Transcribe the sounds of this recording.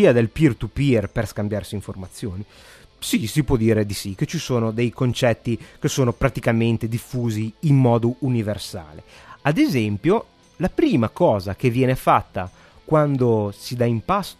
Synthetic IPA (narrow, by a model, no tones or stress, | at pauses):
iːad̪elpirt̪upirperskambjarsiːɱformat̪sːjoːni | sisipwɔd̪ːiːɾed̪isik̟ːet͡ʃisoːnod̪ejkont͡ʃɛt̪ːik̟esoːnopɾat̪ikament̪ed̪ifːuːziːmːɔːd̪ouniversa̰ːlead̪ezɛmpjo | lapɾiːmakɔːzak̟evːjɛːnefat̪ːa̰ | kwand̪osid̪aimpas